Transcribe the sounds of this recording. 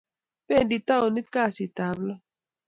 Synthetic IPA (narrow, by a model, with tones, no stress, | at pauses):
pe˦˨ndi˨ta˦o˨ni˦tka˦˨si˨ta˨blɔ˦